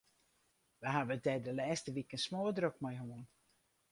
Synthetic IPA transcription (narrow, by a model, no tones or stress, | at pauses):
ʋəɦavəətdɛdəlɛːstəʋikənsmoːdrøkmɔjɦuən